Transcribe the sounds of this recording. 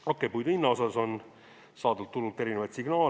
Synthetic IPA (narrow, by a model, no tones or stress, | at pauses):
okːejpujd̪inːɑo̞sɑso̞n | sɑːd̪ult̪ːulːut̪e̞ɾine̞vɑjt̪siɡ̥nɑː